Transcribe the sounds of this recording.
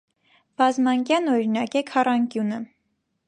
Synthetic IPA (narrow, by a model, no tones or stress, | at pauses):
b̥ɑzmɑŋkjɑnɔɾinɑkɛkʰɑrɑŋkjunə